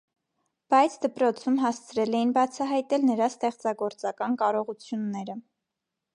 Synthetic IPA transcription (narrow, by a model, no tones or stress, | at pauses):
b̥ɑjt͡sʰd̪əpɾɔt͡sʰumɦɑst͡sʰɾɛlɛjinbɑt͡sʰɑɦɑjt̪ɛlnəɾɑst̪ɛχt͡sɑɡɔɾt͡sɑkɑnkɑɾɔʁut͡sʰjunːɛɾə